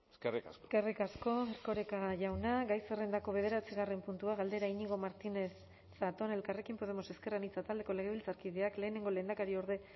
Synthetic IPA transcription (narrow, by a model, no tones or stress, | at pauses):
eskerika̰seskerikasko̞eɾko̞ɾekaʝawnaɡajserend̪ako̞βe̞ð̞e̞ɾat͡siɣare̞mpunt̪uaɣald̪e̞ɾaiɲiŋɡomaɾt̪inesː | at̪o̞ne̞lkare̞kimpo̞ð̞e̞mo̞se̞ske̞ranit͡sat̪ald̪e̞ko̞le̞ɣe̞βilt͡saɾkiðeakle̞ːne̞ŋɡo̞le̞ːnd̪akaɾio̞ɾðe̞